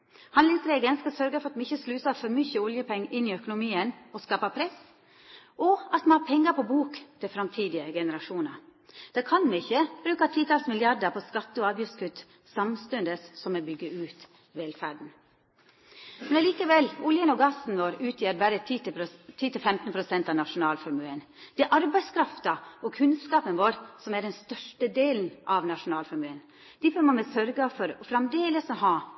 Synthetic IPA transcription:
hɑnlɪŋsɾeːɡlənskɑlsœɾɡəfɔɾɑt̪mɛɪçəslʉːsɑfœɾmyçəʊljəpʰɛŋːʔɪniːœkʊnʊmiːənɔskɑːpɑpʰɾɛs | ʔɔɑt̪mɑnhɑːpʰɛŋːəpʰɔbuːkd̪̥ɛfɾɑmt̪ʰiːd̪ɪəɡɛnəɾɑʂuːnəd̪̥ɛkʰɑnmɛɪçəb̥ɾʉːkɑt̪ʰiːt̪ʰɑlsmɪlɪjɑɖəɾpʰɔskɑt̪ːəɔɑɾbjəskʰʉt̪ | sɑmst̪ʉnd̪əssɔmɛbʏɡːəʉːt̪ | ʋɛːlfæːɖɳ̩ | mɛnɑliːkəʋɛlʊljənoɡɑsn̩ʋoːɾʉːt̪ʰjeːɾbæɾət̪ʰit̪ʰiːt̪ɪlfɛmt̪npʰɾʊsɛnt̪ɑʋnɑʂʊnɑːlfɔɾmʉːən | d̪̥ɛʔɑɾbæɪskʰɾɑft̪əɔkʰʉnskɑːpənʋoːɾsɔmæɖɛnst̪œʂʈəd̪eːln̩ʔɑʋnɑʂʊnɑːlfɔɾmyːən | d̪̥ɪfəmɑnmɛsœɾɡəfɔɾɔfɾɑmd̪eːləsɔɦɑː

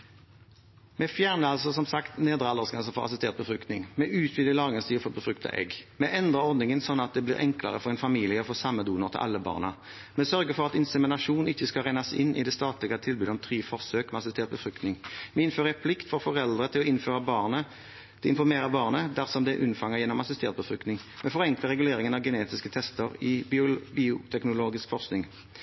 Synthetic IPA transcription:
mɛfjæʁnəɑlsɔsɔmsɑkt̪neːd̪ʁɑld̪əʁsɡɛnsəfɔʁʔɑ̰sɛst̪eːʁt̪̚bəfʁʏkt̪nɪŋmɛʔʉːt̪ʰʋilɪlɑːʁŋənst̪yːʁfɔbəfʁʏkt̪ɑ̰ʔɛ̰ɡmɛʔɛnd̪ʁəɔʁd̪nɪŋənsɔnːɑt̪̚d̪ɛblḭːʁʔɛ̰ŋklə̰ʁəfɔʁɛnfɑmiːlɪəfoːsɑmːəd̪uːnəʁt̪ʰɪ̰ʔɑ̰lːəbɑ̰ːʁnə | mɛsœʁɡəfɔʁɑt̪ɪnsɛmɪnɑʂuːnɪçːəskɑlʁæɪnɑsɪnːʔɪ̰d̪ɛst̪ɑːt̪lɪɡət̪ʰɪlbʉːd̪əɔmt̪ʰʁiːfɔʁsøːkmɛɑsɪst̪ʰeːʁt̪̚bəfɾʏk̚t̪nɪŋmɛɪnføːɾəæpʰlɪkt̪fɔɾfɔʁɛld̪ʁət̪ʰɪlɔɪnføːʁəbɑːnə | t̪ʰɪɪnfɔʁmeːɾəbɑːʁnəd̪æʁsɔmd̪ɛæʔʉnfɑŋəjɛnːɔmɑsɪst̪ʰeːʁt̪̚bəfʁʉkt̪nɪŋ | mɛfɔɾɛŋkləɾɛɡʉleːɾɪŋənɑʋɡɛneːt̪ɪskət̪ʰɛst̪əɾɪbbiːʊt̪ʰɛknʊloːɡɪskfɔʁsknɪŋ

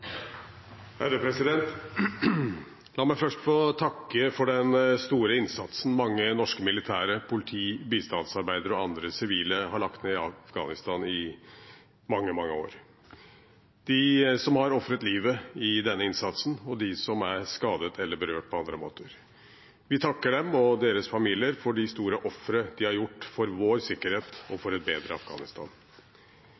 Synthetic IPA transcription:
hæɾəpʰɾɛsɪd̪ɛnt̪ | lɑːɾmæɪfœʂʈfɔɔt̪ʰɑkːəfɔɖɛnst̪uːɾəɪnsɑt̪sn̩mɑŋːənɔʂkəmɪlɪt̪ʰæːɾəpʰʊlɪt̪ʰiːbiːst̪ɑnsɑɾbæɪd̪əɾəɔɑnd̪ɾəsɪʋiːləɦɑɭɑkt̪neːɪɑfɡɑ̰ːnɪst̪ɑːnɪ | mɑŋːəmɑŋːəo̰ːɾ | d̪̥ɪsɔmhɑɾɔfɾət̪liːʋəɪd̪ɛnːəɪnsɑt̪sn̩ɔd̪ɪsɔmæɾskɑːd̪ət̪ʰɛlːəɾbəɾøːʈ̚pʰɔɑnd̪ɾəmo̰ːt̪əɾ | ʋɪt̪ʰɑkːəɖɛmɔd̪eːɾəsfɑmiːlɪəɾfɔɖɪst̪uːɾəʔɔfɾəd̪̥ɪhɑɾjʊʈːfɔɾʋoːɾsɪkːəɾheːt̪ɔfɔɾɛt̪̚beːd̪ɾəɑfɡɑ̰ːnɪst̪ʰɑ̰ːn

